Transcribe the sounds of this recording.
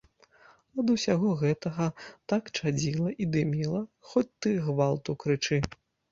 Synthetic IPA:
ɐd̪ɐwsʲaɣɔɣɛt̪ɐɣɐt̪akt͡ʂad͡zʲilˠɐʔid̪ɨmʲilˠɐxɔt͡sʲt̪ɨɣvalˠt̪ukɾɨt͡ʂɨ

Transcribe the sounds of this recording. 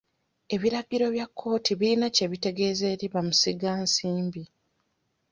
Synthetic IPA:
e̞βiɾaɡiɾo̞βjakʰːo̞ːtʰiβilinace̞βite̞ɡe̞ːze̞ːɾiβamusiɡaːnsiːmbi

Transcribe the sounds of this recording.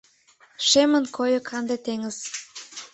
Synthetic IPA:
ʃemə̆nkʰojŏkʰɑnd̪et̪eŋə̆z̥

